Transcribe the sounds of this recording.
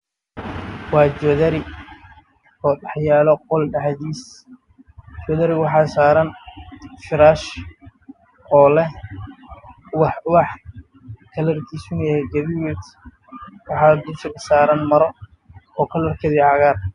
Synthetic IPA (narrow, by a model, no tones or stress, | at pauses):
wɑːd͡ʒɔðɐɾɪ | ɔːɖɑħjaːlɔqɔlɖɑħdiːs | d͡ʒɔðɐɾɪwɑħɑːsaːɾɐn | fɪɾaːʃ | ɔːlɛh | wɑwɑħ | kʰɐlɐrkʰiːsʊnɛɡɐβiwɛt̪ | wɑħɑːd̪ʊsɪɣɐsaːɾɐnmɐɾɔ | ɔːkʰɐlɐrkʰɐðiːʕɑɣaːr